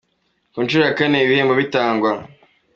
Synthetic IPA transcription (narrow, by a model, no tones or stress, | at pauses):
kunt͡ʃuɾojakaneiβiheːmboβitaːŋɡwa